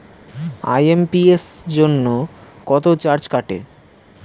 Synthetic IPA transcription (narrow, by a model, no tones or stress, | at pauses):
a̰jempiesd͡ʑonːokɔt̪ot͡ɕaɾd͡ʑkaʈḛ